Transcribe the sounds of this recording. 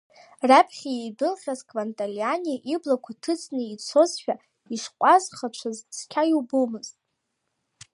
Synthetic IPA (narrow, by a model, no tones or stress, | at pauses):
rapʰχʲijejdɨlχʲazkʼvantʼalianʲiʔiblakʷʰatʰɨt͡sʰʼnɨit͡sʰo̞zʃᶣa | iʂqʷʼazχat͡ʃʷʰazt͡sʰkʲʰajubomɨztʼ